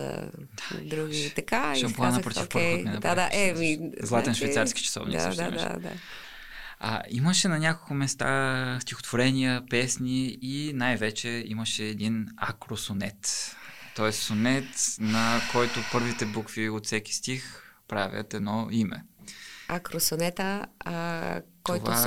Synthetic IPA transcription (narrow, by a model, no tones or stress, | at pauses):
ə̰ | d̪̥ad̪ɾuɡʲit̪ɐkaʃɐmplˠanɐpɾot̪ifpɾxotmɛnɐp̪ad̪aʔɛmizlˠat̪ɛnʃvɛjt̪saɾski̥t͡ʃɐ̥sɔ̰vnḭsd̪̰mɛʃa̰d̪a̰ | ə̰iməʃɛnɐnʲakolˠkʊmɛst̪a̰st̪ixo̥t̪voɾɛnijəpɛsniinajvɛt͡ʃɛiməʃɛːd̪inakɾosonɛt̪ː | ɔɛssonɛt̪nɐkɔjt̪opɤɾvit̪ɛbukviot̪sɛk̟ʲi̥st̪ixpɾavʲə̰t̪ɛd̪nɔimɛ̰ | akɾosonɛt̪ə | k̪ɔojva